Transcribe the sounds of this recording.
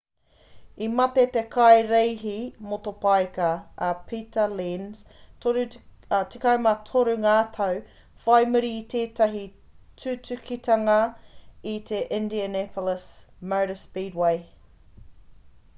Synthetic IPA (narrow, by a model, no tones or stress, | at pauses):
imɐt̪et̪e̞kʰɐjɾejɦimot̪opajkɐːpʰiːt̪ɐlinztoɾʉ | tʰikɐwmɐtʰoɾʉŋaːtʰɐw | fajmʉɾiːt̪ʰeːt̪ɐɦi | tʰʉtʉkʰit̪ɐŋɐit̪ʰeʔɪ̃ndiənɛpʰoləsmɐwɾəspiːdwej